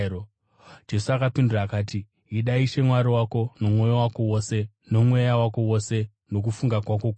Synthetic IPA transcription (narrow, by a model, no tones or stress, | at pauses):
d͡ʒe̞suakapinduraːkaːti | iɗaiʃe̞mwaɾiwako̞no̞mwo̞jowakowose̞ | no̞mwe̞jawako̞wo̞se̞ | no̞k̬ufuŋɡakwakok